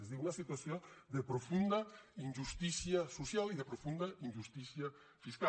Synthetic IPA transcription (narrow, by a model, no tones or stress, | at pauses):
ezðiunɐsit̪wasjod̪epɾofund̪ɐinʲʒust̪isjasusjaliðepɾofund̪ainʲʒust̪isja | fiska